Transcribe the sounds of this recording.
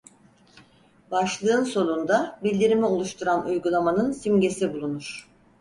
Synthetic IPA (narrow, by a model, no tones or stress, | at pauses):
baʃlˠɯːnso̞nˠund̪abilʲd̪iɾimio̞lˠuʃt̪ʰuɾanujɡulˠamanɯnsimɟe̞sibulˠunuɾ̥